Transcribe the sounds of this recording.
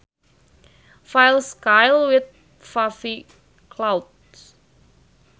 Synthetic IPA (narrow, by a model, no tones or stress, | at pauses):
fajlskajlwɪθ̚ | fafi | kʰlawd̚ | s